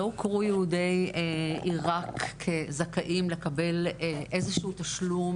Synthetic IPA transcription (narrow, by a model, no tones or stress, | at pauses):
okʁujehudejeiʁakːezakaʔimle̞kɐbe̞lʔe̞zeʃuut̪aʃlum